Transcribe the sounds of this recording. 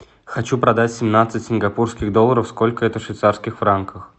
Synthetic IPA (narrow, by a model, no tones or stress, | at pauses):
xɐt͡ɕupɾɐd̪atʲsʲɪmnat̪sɨtʲsʲɪnɡɐpurskʲɪɣd̪olˠːəɾəfsko̞lʲkəɛt̪əfʂvʲɪt̪sarskʲɪxfɾankʰəx